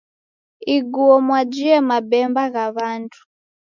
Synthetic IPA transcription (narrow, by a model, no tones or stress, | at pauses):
iɡuɔmwad͡ʒiɛmabɛmbaɣaβantʰu̥